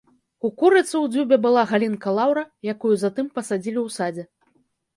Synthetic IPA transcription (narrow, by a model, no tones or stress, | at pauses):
ukuɾɨt̪sɨwd͡zʲubʲɛbɨlˠaɣalʲinkɐlˠawɾɐjakujuzat̪ɨmpɐsad͡zʲilʲiwsad͡zʲɛ